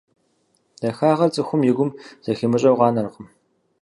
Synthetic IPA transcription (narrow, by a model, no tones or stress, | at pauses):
d̥ɐxaːʁɐrt͡sʼɨxʷʊmjɪɡʷʊmz̥ɐxiːmɨɕʼɐwʁɑːnɐrɨqʼəm